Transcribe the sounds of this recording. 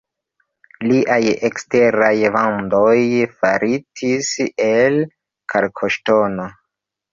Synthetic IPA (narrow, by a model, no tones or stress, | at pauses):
liʔajekste̞ɾajvandojfaɾitʰisel | kʰaɾkʰoʃtono